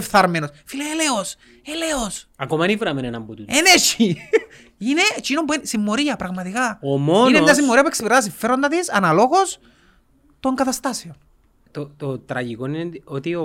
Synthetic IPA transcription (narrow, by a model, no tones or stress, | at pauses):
fθɐɾme̞nosfileeleos | eleosɐkomɐnivɾɐmenenɐmbut̪ueneʃi | ine̞cinopuensimːo̞ɾiɐpɾɐɣmɐt̪ikɐomoninemt̪ɐs̬imːo̞ɾiɐpueksipiɾɐðɐs̬iɱfeɾo̞nd̪ɐðisɐnɐlo̞ɣos | t̪o̞ŋɡɐt̪ɐst̪ɐsio̞n | t̪ot̪ot̪ɾɐʝikonineot̪io